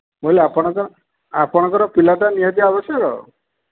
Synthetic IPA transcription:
moileapɔɽ̃ɔkɔɾ | apɔɽ̃ɔŋkɔɾɔpilaʈanijat̪iabɔsjɔɾɔ̰

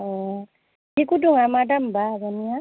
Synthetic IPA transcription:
ɔ | ikuduŋamadambaːkɔnija

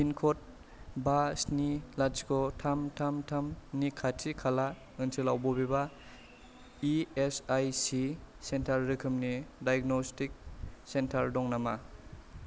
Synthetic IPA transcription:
pinkʰɔt̚ | basnilad͡ʒkʰɔtʰamtʰamtʰamnikʰatʰikʰala | ɯnsʰɯlawbɔbiba | iesajsisentʰaɾːɯkʰɯmnidajɡnɔstik̚sentʰaɾdɔŋnama̰

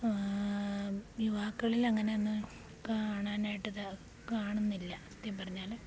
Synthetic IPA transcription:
juʋaːkːɐɭilɐŋːɐne̞onːɨ | kaːɳaːnaːjiʈːɐðɐ | kaːɳunːilːɐɐt̪ːjɐmpɐrɐɲːaːl

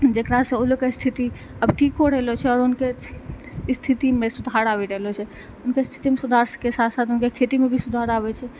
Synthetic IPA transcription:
d͡ʒekɾasẽolokest̪ʰit̪i | əbʈʰikːoɾəɦlot͡ʃʰɛɔːɾʊnke | st̪ʰit̪imẽsʊd̪ʱaɾaʋiɾəɦlot͡ʃʰɛ | ʊnkest̪ʰi̥t̪imẽsʊd̪ʱaɾskesat̪ʰsat̪ʊnkekʰet̪imẽbʱisʊd̪ʱaɾaːʋɛt͡ʃʰɛ

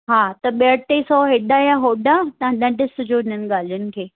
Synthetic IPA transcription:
ɦaːt̪ɐɓiəɽt̪esɔːɦɪɗajaɦoːɗat̪ɐãɗɐ̃ɖʱɪsʊd͡ʑoɪn̤ənɪ̆ɠaːl̤ijʊnɪ̆kʰeː

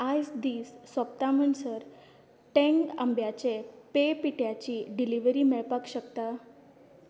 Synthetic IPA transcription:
asd̪iːsːəpt̪amənsəɾ | ʈẽŋɡə̰mbjat͡ɕepepiʈjat͡ɕiːɖiliʋɾiːmɛɭpakɕəkt̪a

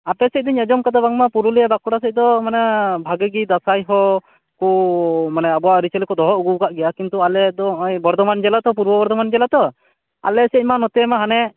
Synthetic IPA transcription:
apɛsɛc̚d̪iɲɛd͡ʒɔmkat̪abaŋmapuɾuliabakuɽasɛc̚d̪ɔmanɛbʱaɡɛɡid̪asajɦɔ | kumanɛabɔwaʔɾit͡ʃɛlikɔd̪ɔɦɔʔuɡuwɡaʔɡɛjakint̪ualɛd̪ɔɔjbɔɾd̪ʱɔmand͡ʒɛlat̪ɔp̬uɾbɔbɔɾd̪ʱɔmand͡ʒɛlat̪ɔ | a̰lɛsɛc̚ˀmanɔt̪ɛmaɦanɛ

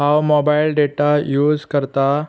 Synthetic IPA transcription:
ɦawmɔbailɖeʈajuːd͡zkəɾt̪a

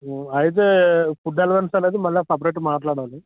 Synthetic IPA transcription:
ɐjit̪̬eːpuɖɐlɐʋɐnsɐleːd̪imɐlːɐpɐbɾeːʈːmaːʈlaːɽaːli

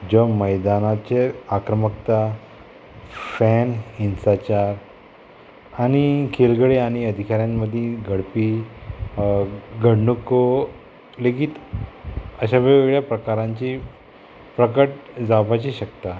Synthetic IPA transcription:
d͡ʑɔməjd̪anat͡ɕeakɾəməkt̪a | fɛninsat͡ɕaɾ | aɽ̃ikʰelɡɽeaɽ̃iəd̪ʱikaɾjãnːəd̪ʱjĩɡʱəɽpi | ɡʱəɽɳuko | leɡiːt̪ | əɕaʋeʋeɡɭjapɾəkaɾãɲt͡ɕi | pɾəkəʈd͡zapat͡ɕiɕəkt̪a

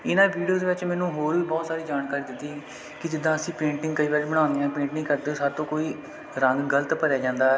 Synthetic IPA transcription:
ɪnãːʋiːɖijoːd̪eːʋɪt͡ʃmɛːnũːɦoːlbɔːt̪saːɾiːd͡ʒaːnkaːɾiːd̪ɪt̪ːiː | kɪd͡ʒɪd̪ãːəsĩːpẽːɳʈɪ̃ŋɡkəiːʋaːɾebəɽ̃ãːnd̪eãːpẽːɳʈnĩːkəɾd̪eoːsaːɾt̪õːkoːiː | ɾəŋɡɡələt̪pəɾɛːd͡ʒãːnd̪aː

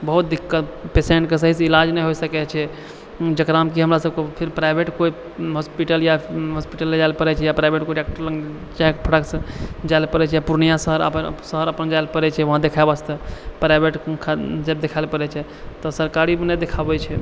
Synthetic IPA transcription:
bəɦut̪̚d̪ikːət̪peseɳʈkes̬əɦiseilad͡ʒnɛɦojsəkɛt͡ʃʰɛ | d͡ʒəkɾamkiɦəmɾasəb̚kepʰiɾpɾajbʱeʈkoi | ɦɔspiʈəljaɦɔspiʈəlːed͡ʒaɪlpəɾɛt͡ʃʰɛjapɾajbeʈkoiʈek̚ʈəɾləŋɡ | t͡ʃakpʰəʈəksə̃d͡ʒaɪlpəɾɛt͡ʃʰɛjapuɾnijãsəɦəɾə̰əsəɦəɾəpənd͡ʒaɪlpəɾɛt͡ʃʰɛʋəɦãd̪ekʰaebast̪epɾajbʱeʈkʰad͡ʒɛb̚d̪ekʰaɪlpəɾɛt͡ʃʰɛ | t̪ɔsəɾkaɾibnɛd̪ekʰabɛt͡ʃʰɛ

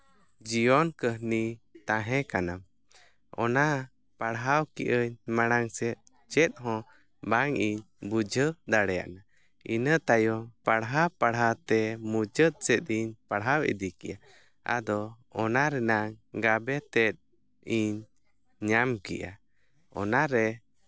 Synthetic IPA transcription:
d͡ʒiɔnkəɦnit̪ãɦɛ̃kanam | ɔna | paɽɦawkḭʔəɲmaɽ̃aŋsɛt̪̚ | t͡ʃɛt̪̚ɦɔ̃ | baŋiɲ | bud͡ʒəd̪aɽɛja̰ʔna | inət̪ajɔpaɽɦapaɽɦat̪ɛmud͡ʒət̪̚sɛt̪̚ˀiɲpaɽɦawḭd̪ikiʔa | a̰d̪ɔ | ɔnaɾɛnaŋɡabɛt̪ɛt̪̚ | iɲ | ɲamkḭʔa | ɔ̰naɾɛ

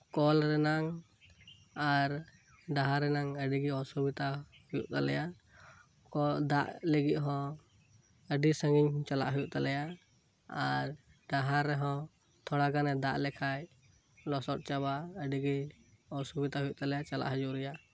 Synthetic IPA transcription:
kɔlɾɛnaŋ | aɾ | ɖaɦaɾːɛnaŋəɖiɡɛɔsubit̪a | hujṵʔt̪alɛja | kɔd̪aʔləɡit̪̚ɦɔ̃ | əɖisəŋɡiɲt͡ʃala̰ʔɦujuʔt̪alɛja | aɾ | ɖaɦaɾːɛɦɔ̃ | t̪ʰɔɽaɡanɛd̪aʔlɛkʰaj | lɔsɔʈ̚t͡ʃaβaəɖiɡi | ɔsubit̪aɦujuʔt̪alɛjat͡ʃala̰ʔɦəd͡ʒuʔɾɛja

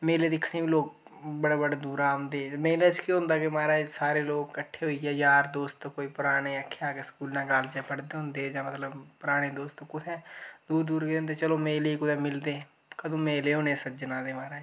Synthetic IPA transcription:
meːleːd̪ɪkʰɽeːʋiːloːk̚bəɽaːbəɽeːd̪uːɾaːnd̪eːmeːlət͡ʃkiɦʊ̃nd̪aːkɪmaːɾaːsaːɾeːloːkkəʈʰːeːɦoːiːɡɛːd͡ʒaːɾd̪oːst̪ːkoːiːpʊɾaːɽeːəkʰːeaːkeskuːlnãːɡald͡ʒɛːpəɽd̪eːɦʊ̃nd̪eːd͡ʒãːmət̪ləbpʊɾaːɽeːd̪oːst̪ːkʊt̪ʰɛ̃ːd̪uːɾd̪uːɾɡeːʊ̃nd̪eːt͡ʃəloːmeːləiːkʊd̪ẽːmɪld̪eː | kəd̪õːmeːleːɦʊ̃neːsəd͡ʒnãːd̪eːmaːɾaːd͡ʒ

